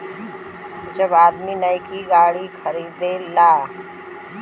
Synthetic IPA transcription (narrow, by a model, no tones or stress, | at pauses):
d͡ʒɐbaːd̪minəkiɡaːɽikʰɐɾiːd̪elaː